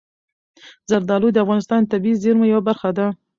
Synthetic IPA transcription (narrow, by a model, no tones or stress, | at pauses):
zaɾd̪ɑlud̪əafɣɑnɪst̪ɑnt̪abizeɾmojawabaɾxad̪a